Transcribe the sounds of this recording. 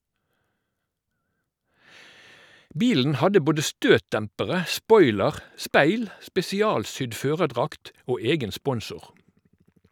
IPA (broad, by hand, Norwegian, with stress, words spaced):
ˈbiːln̩ ˈhɑdə ˈboːdə ˈstøːtˌdɛmpəʁə ˈspɔʏləʁ ˈspæɪl spɛsɪˈɑːlˌsʏd ˈføːʁəˌdʁɑkt ˈoː ˈeːɡən ˈspɔnsʊʁ